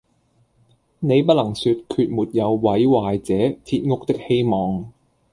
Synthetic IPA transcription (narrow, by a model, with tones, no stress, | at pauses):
ne˨˧jp̬ɐ˥t̚lɐ˨˩ŋsyː˧t̚kʰyː˧t̚muː˨t̚jɐ˨˧wːɐ˨˥jwaː˨jt͡sɛː˨˥t̪ʰi˧t̚ŋʊ˥k̚t̪ɪ˥k̚he˥jmɔː˨ŋ